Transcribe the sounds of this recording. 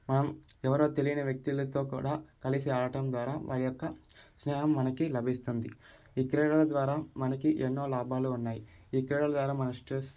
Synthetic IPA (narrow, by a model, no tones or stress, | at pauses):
mɐnɐmɛʋɐɾo̞ːt̪e̞lijinɐʋjɐk̚t̪ilɐt̪o̞ːkṵːɽaːkɐlisiaːɭɐʈɐmd̪ʋaːɾaːʋʔa̰ːɭijɔkːɐsnɛːɦɐmːɐnɐkilɐbʱist̪und̪i | iːkɾɛːɽɐlɐd̪ʋaːɾaːmɐnɐkiʔenːo̞ːlaːbaːluːnːaːji | iːkɾɛːɽɐlɐd̪ʋaːɾaːmɐnɐsʈɾes